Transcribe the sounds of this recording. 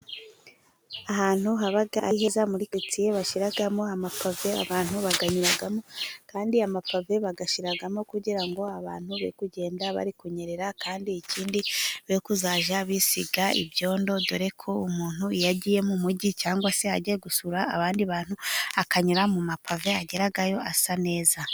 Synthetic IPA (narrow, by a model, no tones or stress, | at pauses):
aɦaːn̥huɦaβaɡahezamuɾiket͡sijeβaʃiɾaɡamo̞amapʰavea̰βaːn̥huβaɡaɲuɾaɡamokaːndiamapave̞βaɡaʃiɾaɡamo̞kuɟiɾaŋɡo̞aβa̰ːn̥huβḛikuɟe̞ːndaβa̰ɾikuɲe̞ɾe̞ɾakaːndiːciːndiβekuzaːʒaβisiɡaḭbjo̞ːndo̞doɾe̞kʰo̞umuːn̥huijaɟije̞mumuɟit͡ʃaːŋɡwase̞aɟieɡusuɾaːβaːndiβaːn̥huakaɲuɾamumapave̞aɟe̞ɾaɡajo̞asane̞ːza